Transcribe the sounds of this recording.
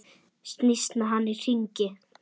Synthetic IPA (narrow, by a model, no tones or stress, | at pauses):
st̪nist̪naɦanːir̥iɲcɪ